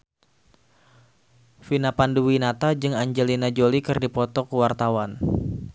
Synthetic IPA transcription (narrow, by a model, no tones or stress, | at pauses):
finapanduwinat̪ad͡ʒɨŋaɲd͡ʒelinad͡ʒolikɨrdipɔt̪ɔkəwart̪awan